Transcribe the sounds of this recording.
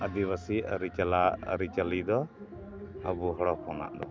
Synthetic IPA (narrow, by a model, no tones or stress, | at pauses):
əd̪iβasiəɾit͡ʃalaə̰ɾit͡ʃalid̪ɔ | əbuɦɔɽɔpɔna̰ʔd̪ɔ